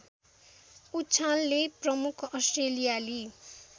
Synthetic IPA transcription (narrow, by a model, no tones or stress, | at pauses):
utːt͡sʰalːeprʌmukʰʌsʈrelijali